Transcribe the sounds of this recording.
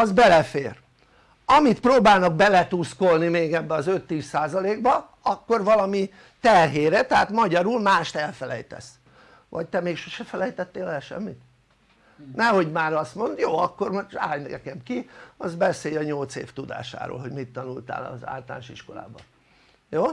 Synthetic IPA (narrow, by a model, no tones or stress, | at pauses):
ɒzbɛlɛfeːr | ɒmit̪proːbaːlnɒɡ̚bɛlɛt̪usko̞lnimeːɡɛbːɛɒzø̞t̪ːiːsːaːzɒleːɡbɒ | ɒkːorʋɒlɒmi | t̪ɛrɦeːɾɛt̪ɛaːt̪mɒɟɒɾulmaːʃt̪ɛlfɛlɛ̰jt̪ɛ̰s | ʋɒct̪ɛmeːkʃoʃɛfɛlɛjt̪ɛt̪ːeːlɛlʃɛ̰mːit̪ | nɛho̞ɟmaːɾɒst̪mo̞nd̪joːɒkːo̞rmoʃa̰ːjnɛkɛmkiɒzbɛseːjɒɲolt̪sḛːft̪ud̪a̰ːʃa̰ːɾo̰ːlɦo̞ɟmit̪ːɒnult̪a̰ːlɒ̰za̰ːlt̪ɒla̰nʃiʃko̞la̰ːbɒ̰ | joː